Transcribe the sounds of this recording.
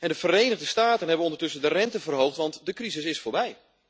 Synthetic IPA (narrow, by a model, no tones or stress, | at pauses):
ɛndəvərejnəɣdəstaːtənɦɛbənɔndərtɵsəndərɛntəvərɦowχtʋɑntdəkrizɪsɪsfoːɹbɛj